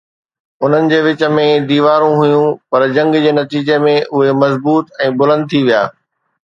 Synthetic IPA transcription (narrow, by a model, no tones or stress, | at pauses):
ʊn̤ənɪ̆d͡ʑeːʋɪt͡ɕə̆mẽd̪iːʋaːɾũɦʊjũpɐɾd͡ʑɐ̃ŋɡd͡ʑeːnɐt̪iːd͡ʑemẽʔʊɦemɐzbuːt̪ɛ̃ːbʊlə̃nd̪̚t̪ʰiʋijaː